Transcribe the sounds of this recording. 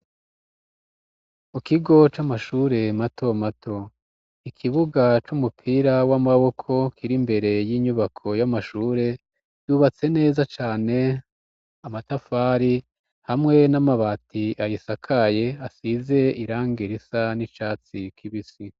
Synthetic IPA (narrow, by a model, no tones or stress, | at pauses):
mukiɡo̞t͡ʃamaʃuːɾe̞matʰo̞matʰo̞ | ikʰiβuɡat͡ʃumupʰiɾawamaβo̞kʰo̞kʰiɾimbe̞ɾe̞jiːɲuβakʰo̞jamaʃuːɾe̞ | juβat͡se̞ne̞ːzat͡ʃaːne̞ | amatafaɾi | hamŋe̞namaβaːtiʔajisakʰaje̞asize̞iɾaːŋɡiɾisanit͡ʃaːt͡sikʰiβisi